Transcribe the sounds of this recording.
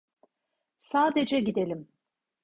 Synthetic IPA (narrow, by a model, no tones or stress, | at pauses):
saːd̪e̞d͡ʒɛɟid̪elʲim